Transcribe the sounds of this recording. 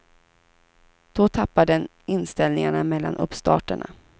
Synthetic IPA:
d̪̥ɔt̪ʰapːad̪ə | ɪnst̪ɛlnɪŋaɳamɛlːa̰nʔɵ̰pst̪ɑ̰ːʈəɳa̰

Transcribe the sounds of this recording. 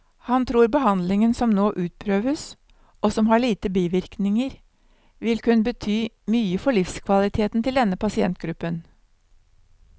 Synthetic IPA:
hɑnt̪ʰɾuːɾbəhɑnd̪lɪŋənsɔmnoːʔʉːt̪̚pʰɾøːʋəs | ʔosɔmɦɑɭiːt̪əbiːʋɪɾknɪŋəɾ | ʋɪlkʉnːəbət̪ʰyː | myːəfɔɭɪfskʰʋɑlɪt̪ʰeːt̪nt̪ʰɪld̪ɛnːəpɑsɪɛ̰nt̪̚ɡɾʉpːən

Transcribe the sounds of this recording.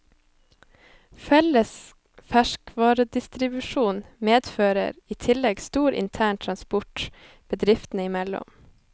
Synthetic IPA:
fɛləs | fæʃkʋɑːɾəd̪ɪst̪ɾɪbʉʃuːnmeːd̪føːɾə̰ɾiːt̪ʰɪlɛɡst̪uːɾɪ̰nt̪ʰæːɳt̪ʰɾɑnspɔʈ | b̥əd̪ɾɪft̪n̩əɪmɛlɔ̰m

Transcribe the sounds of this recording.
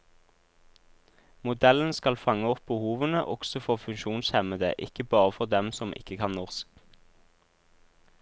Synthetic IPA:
mʊd̪ɛln̩skɑlfɑŋəɔp̚bəhuːʋənəʔɔɡ̥sɔfɔʁfʉŋʃuːnshɛməd̪ə̰ʔɪkəbɑːʁəfɔʁd̪ɛmsɔmʔɪ̰kəkʰɑnnɔʁsk

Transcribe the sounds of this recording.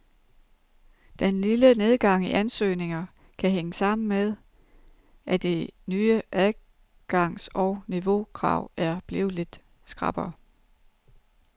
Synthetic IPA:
d̥enliləne̝ð̞ˠɡ̥ɑ̈ŋ̰iʔænsø̰ːne̝ŋɐ | kʰæɦeŋəsɑ̈m̰n̩með̞ˠ | ʔæd̥enyːəʔæðˠ | ɡ̥ɑ̈ŋ̰sɒʊniʋo̝kʰʁɑ̰̈ʊ̰æɐb̥lḛːʊled̥ | sɡ̥ʁɑ̈b̥ɐː

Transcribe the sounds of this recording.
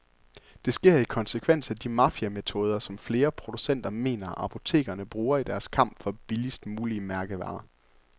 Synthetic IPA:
d̥e̝sɡ̥e̝ɐ̰ikʰɒ̽nsəkʰʋen̰sæd̥imɑfiæme̝t͡sʰo̝ːð̞ˠɐsɒ̽mfle̝ːɐpʰʁo̝d̥usen̰d̥ɐme̝̰ːnɐɑ̈pʰo̝t͡sʰe̝̰ːɡ̥ɐnəb̥ʁuːɐid̥æɐskʰɑ̈m̰b̥fɒ̽b̥ilisd̥muːliəmæɐɡ̥əʋɑ̰̈ː

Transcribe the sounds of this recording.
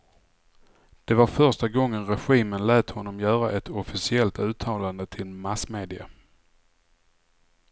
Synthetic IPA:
d̪̥ɛvaɾfœɾʂʈaɡɔŋːənɾɛɧiːmənlɛːt̪hɔnːɔmjœːɾaʔɛt̪ɔfɪsɪɛlt̪ʉ̟ːt̪ʰɑːland̪ət̪ʰɪlmasmeːd̪ɪa̰

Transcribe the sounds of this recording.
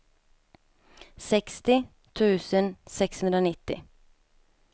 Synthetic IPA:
sɛkst̪ɪ | t̪ʰʉːsənsɛkshʉnd̪ɾəoːnɪt̪ɪ̰

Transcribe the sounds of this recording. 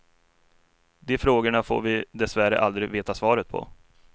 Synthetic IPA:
d̪ɛfɾoːɡəɳafo̰ːɾvɪd̪ɛsvæɾə̰ʔald̪ɾɪveːt̪asvɑːɾət̪̚pʰɔ̰

